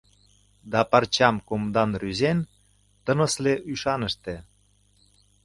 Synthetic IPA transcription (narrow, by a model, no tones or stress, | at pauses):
d̪ɑpɑrt͡ɕɑmkomd̪ɑnryzen | t̪ə̆nə̆sleʔyʃɑnə̆ʃt̪e